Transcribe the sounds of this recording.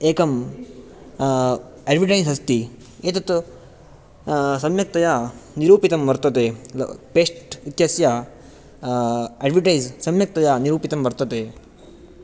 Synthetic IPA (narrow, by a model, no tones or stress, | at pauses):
eːkɐm | eːɖʋiʈɐjzɦɐst̪i | eːt̪ɐt̪u | sɐmjɐk̚t̪ɐjaːniɾuːpit̪ɐmbɐɾt̪ɐt̪ḛpeːsʈit̪jɐsjaː | eːɖʋiʈɐjzsɐmjɐk̚t̪ɐjaːniɾuːpit̪ɐmbɐɾt̪ɐt̪eː